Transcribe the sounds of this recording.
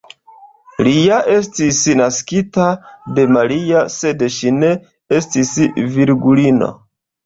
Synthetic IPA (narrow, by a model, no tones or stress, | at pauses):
lijaʔe̞stisnaskitade̞maɾiase̞dʃine̞ | estisviɾɡulino̰